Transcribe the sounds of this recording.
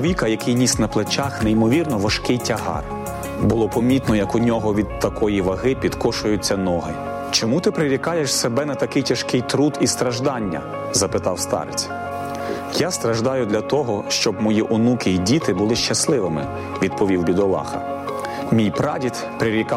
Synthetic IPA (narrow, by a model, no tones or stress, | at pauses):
ʋʲikɐjɐkɪjnʲisʲnɐplˠet͡ʃaxneimɔʋʲirnɔʋɐʃkɪjtʲɐɦɑ̰r | bʊlˠɔpɔmʲit̪nɔjɐkʊnʲɔɦɔʋʲid̪̚t̪ɐkɔjiʋɐɦɪpʲid̪kɔʃʊjʊt͡sʲːɐnɔɦɪ | t͡ʃɔmut̪ɪpɾɪɾʲikɑjeʃsebɛnɐt̪ɐkɪjtʲɐʃkɪjt̪ɾud̪ist̪ɾɐʒd̪ɑnʲːɐ̰ | zɐpɪt̪ɑwst̪ɑ̰ɾɪt͡sʲ | jast̪ɾɐʒd̪ɑjʊd̪lʲɐt̪ɔɦɔʃt͡ʃɔbmɔjiʔʊnukʲɪdʲit̪ɪbʊlˠɪʃt͡ʃɐslˠɪʋɪmɪ̰ | ʋʲid̪̚pɔʋʲiwbʲid̪ɔlˠɑ̰xɐ̰ | mʲijpɾɑdʲit̪ | pɾɪɾʲikɑ